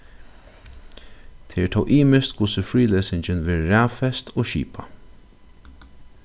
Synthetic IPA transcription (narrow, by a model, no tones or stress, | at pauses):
t̪ʰeːɛt̪ʰɔa̰ːʊʔiːmɪst̪kʊsəfɹiːleːsɪɲt͡ʃɪnʋeːðɾæːfɛst̪ʰoːʃḭːpa